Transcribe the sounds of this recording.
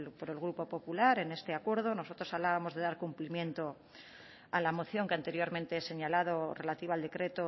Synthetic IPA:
lpo̞ɾe̞lɣ̞ɾupo̞po̞pulaɾe̞ne̞st̪eakwe̞ɾð̞o̞no̞so̞t̪ɾo̞saβlaβamo̞zðe̞ðaɾkumplimjẽ̞nt̪o̞ | alamo̞θjo̞ŋkeant̪e̞ɾjo̞ɾmẽnt̪e̞ese̞ɲalað̞o̞re̞lat̪iβald̪e̞kɾe̞t̪o

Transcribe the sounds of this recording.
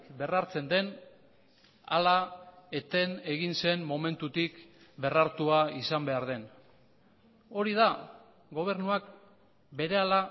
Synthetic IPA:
kbe̞raɾt͡se̞nd̪e̞n | a̰laet̪e̞ne̞ɣinse̞nmo̞me̞nt̪ut̪ikbe̞raɾt̪uaisambe̞aɾðe̞n | o̞ɾiða | ɡo̞β̞e̞ɾnuak | be̞ɾe̞ala

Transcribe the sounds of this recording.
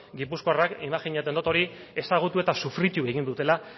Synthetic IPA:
ɡipuskoarakimaxiɲat̪end̪ot̪oɾi | e̞saɣ̞ut̪ue̞t̪asufɾit̪uβe̞ɣind̪ut̪e̞la

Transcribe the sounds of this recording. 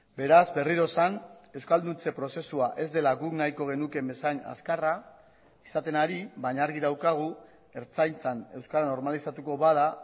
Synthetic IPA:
be̞ɾazbe̞riɾo̞sane̞wskald̪unt͡se̞pɾo̞se̞suaʔe̞zd̪e̞laɣuknajko̞ɣ̞e̞nuke̞mbe̞saɲa̰skara | i̥sat̪e̞naɾiβaɲaɾɣiðawkaɣ̞u | e̞ɾt͡sajnt͡sane̞wskaɾano̞ɾmalisat̪uko̞βaða

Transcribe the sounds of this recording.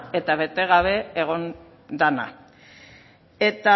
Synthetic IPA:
e̞t̪aβe̞t̪e̞ɣaβ̞e̞eɣ̞o̞n | d̪ana̰ | e̞t̪a

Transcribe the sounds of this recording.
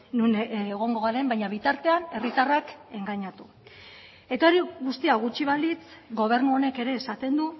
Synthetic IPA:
nuneɣ̞o̞ŋɡo̞ɣaɾe̞mbajɲaβ̞it̪aɾt̪e̞ane̞rit̪arake̞ŋɡaɲat̪u | e̞t̪aoɾiɣust̪iaɣut͡ʃiβ̞alit͡sɡo̞β̞e̞ɾnuo̞ne̞ke̞ɾe̞ːsat̪e̞nd̪u

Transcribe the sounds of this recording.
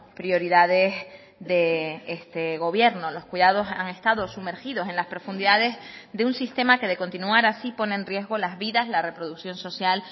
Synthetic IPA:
pɾio̞ɾiðaðe̞z | ðe̞est̪eɣ̞o̞β̞je̞ɾno̞lo̞skwiðað̞o̞sa̰ŋe̞st̪aðo̞sume̞ɾxiðo̞se̞nlaspɾo̞fũnd̪iðaðe̞zðeunsist̪e̞make̞ðe̞ko̞nt̪inuaɾasipo̞nẽːnrrje̞zɣo̞lazβiðazlare̞pɾo̞ðuksjo̞nso̞sjal

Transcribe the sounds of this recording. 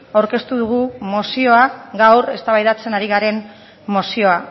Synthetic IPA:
awɾke̞st̪uðuɣ̞umosio̞aɣawɾe̞̰st̪aβajðat͡se̞naɾiɣaɾe̞nː | o̞sio̞a

